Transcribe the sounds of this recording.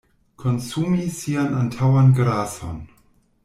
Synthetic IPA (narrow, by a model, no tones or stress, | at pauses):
kʰonsumisianantʰawanɡɾaso̰n